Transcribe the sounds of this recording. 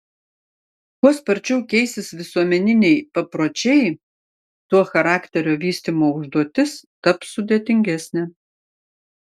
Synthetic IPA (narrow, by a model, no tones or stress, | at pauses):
kuɔspɐɾʲt͡ʃʲɛʊkʲɛɪsʲɪsʋʲɪsuɔmʲɛnʲɪnʲɛɪpɐpɾoːt͡ʃʲɛɪ | t̪uɔxɐɾɑːkʲt̪ʲɛɾʲoːʋʲiːsʲt̪ʲimoːʊʒd̪uɔt̪ʲɪsk̪ɐpsʊd̪ʲeːt̪ʲɪŋʲɡʲæsʲnʲɛ